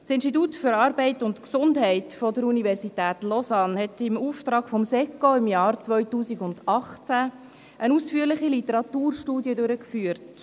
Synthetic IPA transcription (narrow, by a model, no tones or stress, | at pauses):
sɪnsʃtit̬uːtfʏɾɑːɾbɛɪtʊntksʊndɦɛɪtfɔdəɾunivɛɾsitæːtlɔsɑnhɛtɪmuːftɾɑːɡ̥fɔmsɛkːoɪmjɑːrt͡sʋœʏtuːsiɡʊndɑχt͡sæ | ʔənuːsfyːɾlɪχilitəɾɑtuːrʃtuːdjədʉɾəkfyːəɾt